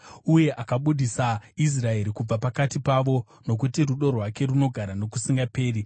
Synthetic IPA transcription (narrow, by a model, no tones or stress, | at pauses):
uje̞ʔakaɓuɗisais̬rae̞ɾikub͡vapakatipaʋo̞ | no̞k̬utiruɗo̞rwake̞runo̞ɡʱaɾano̞kusiŋɡape̞ːri